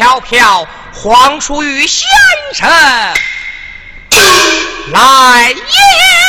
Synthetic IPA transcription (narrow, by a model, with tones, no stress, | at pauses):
ɑ˥˧ʊpʰjɑ˥˩ʊ | xwɑ˧˥ŋʈ͡ʂʰu˥y˧˥ɕjɛ˥˩nʈ͡ʂʰə˥ | la˧˥ɪi˥˩